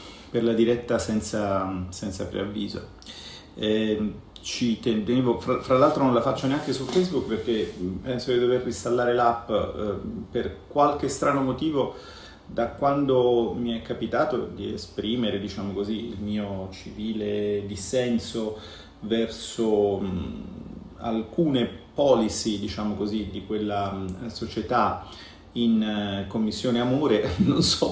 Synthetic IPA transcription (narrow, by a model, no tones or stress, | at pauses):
perlad̪iɾɛt̪ːasɛnt̪sasɛnt̪sapɾḛavːiːzo̰ | ɛ | t͡ʃit̪et̪eneːvofɾafɾalːalt̪ɾonõnlafat͡ʃːoneaŋkesulfejzbukːperk̟epɛnsokid̪overːist̪alːaːɾelapː | perkwalk̟est̪ɾʔaːnomot̪iːvo | d̪akwand̪omiɛkːapit̪aːt̪od̪iḛspɾiːmeɾed̪it͡ʃaːmokoziilmiːot͡ʃiviːled̪isɛnso | vɛrso | a̰lkuːnepɔːlisid̪it͡ʃaːmokozid̪ikwelːasot͡ʃet̪a | inkomːisːjoːneamoːɾenonsɔ